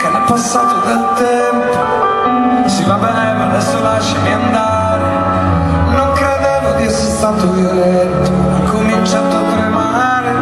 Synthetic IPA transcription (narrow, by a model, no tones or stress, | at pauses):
kelapːasːaːt̪od̪elt̪ɛmpo | sivabɛnɛvad̪ɛsolaʃːemiand̪a | ɾe | noŋkɾed̪ɛvod̪iɛsːest̪at̪ovoɾɛt̪ːo | akːomint͡ʃat̪oat̪ːɾema | ɾe